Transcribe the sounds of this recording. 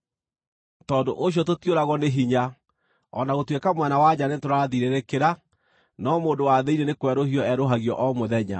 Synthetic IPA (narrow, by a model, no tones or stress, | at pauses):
tɔdo̰ʔoɕ̬jɔtotjoɾaɣɔneɦiɲa | ɔnaɣotwekamwɛnawaɲanetoɾaðiɾeɾekeɾa | nɔmoːdowaðeiɾenekwɛɾohiɔɛɾoɦaɣjɔ̰ʔɔmoðɛɲa̰